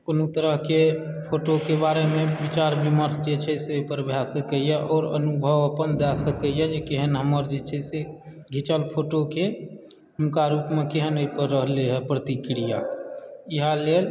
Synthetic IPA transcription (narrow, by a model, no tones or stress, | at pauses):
konot̪əɾəɦke | pʰoʈokebaɾemẽbit͡ʃaɾbiməɾsd͡ʒet͡ʃʰɛɪseoipəɾbʱjasəkəjaʔɔːɾə̰nubʱəʋəpənd̪asəkəjad͡ʒekeɦənɦəməɾd͡ʒet͡ʃʰɛɪse | ɡʱit͡ʃəlpʰoʈoke | ɦəmkaɾupmekeɦənoipəɾːəɦleɦɛpɾət̪ikɾija̰ | iɦaleːl